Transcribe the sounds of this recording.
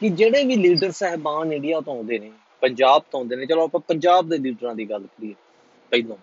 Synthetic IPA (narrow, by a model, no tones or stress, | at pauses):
kɪd͡ʒeːɽeːʋiːliːɖəɾsɛɦbãːnɪ̃ɖijaːt̪õːɦõːnd̪eːneː | pəɲd͡ʒaːb̚t̪õːõːnd̪eːneːt͡ʃəlõːəpɛ̃ːpəɲd͡ʒaːb̚d̪eːliːɖɾãːd̪iːɡəlːkɾiː | pəiːlõː